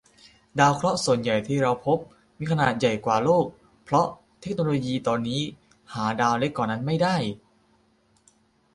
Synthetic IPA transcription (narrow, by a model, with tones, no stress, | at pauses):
daː˧wkʰɾɔ˦˥ʔsu˨˩ənja˨˩jt̪ʰiː˥˩ɾa˧wpʰo˦˥p̚ | miː˧kʰa˧naː˨˩t̪̚ja˨˩jkwaː˨˩loː˥˩k̚ | pʰɾɔ˦˥ʔ | t̪ʰe˦˥k̚noː˧loː˧jiː˧t̪ɔː˧nːiː˦˥ | haː˩˦daː˧wle˦˥kːɔː˨˩nːa˦˥nma˥˩jdaː˥˩j